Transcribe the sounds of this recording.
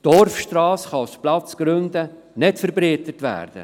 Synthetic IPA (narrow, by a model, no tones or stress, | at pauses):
d̥ɔrfʃtɾɑːsχɑsplɑt͡sɡ̥ɾɵndə | nɪtfəɾbɾiːtətʋæ̰ːɾd̥ə̰